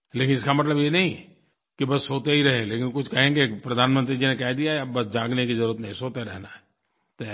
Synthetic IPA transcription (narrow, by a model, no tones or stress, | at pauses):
leːkɪnɪskamɐt̪ləbjenɐɦĩ | kibɐsɦoːt̪eɦiɾɛɦẽleːkɪnkʊt͡ʃʰkɐɦẽːɡepɾɐd̪ʱaːnmə̃nt̪̬ɾid͡ʒinekɛɦd̪ijaɦɛɐbɐsd͡ʒãːɡnekizɐɾuːɾət̪nɐ̃ɦĩsoːt̪eɾɛ̰ɦnaɦɛ | t̪